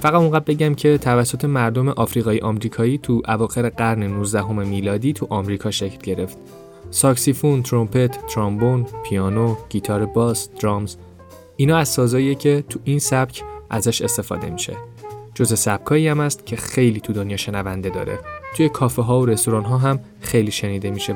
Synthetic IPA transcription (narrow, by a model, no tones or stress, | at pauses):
fæɣæt̪uŋɡæd̪̚be̞ɟæmcʰe̞t̪ʰævæsːot̪ʰe̞mæɾd̪o̞meʔɒːfɾiːɣɒːjeʔɒmɾiːkʰɒːjiːt̪ʰuʔævɒːxe̞ɾeɢæɾnenuzd̪æɦo̞memiːlɒːd̪iːt̪ʰuʔɒmɾiːkʰɒːʃeclɟe̞ɾe̞ft̪ | sɒksifunt̪ʰɾo̞mpʰe̞t̪ʰːɾɒmbonpʰiɒːnoɟ̥iːt̪ʰɒːɾebɒːsd̪̥ɾɒmz | ʔiːnɒːæzsɒːzɒːiecʰe̞t̪ʰuʔinsæb̥cʰʔæzæʃest̪e̞fɒ̰ːd̪e̞̰miʃḛd͡ʒo̞ze̞sæb̥̚kʰɒːiæmæst̪cʰe̞xe̞jliːt̪ʰud̪onjɒːʃe̞nævænd̪e̞d̪ɒ̰ːɾḛt̪ʰuje̞kʰɒːfeɦɒːoɾe̞st̪oɾɒːnɦɒːɦæm | xejliːʃe̞niːd̪e̞miʃe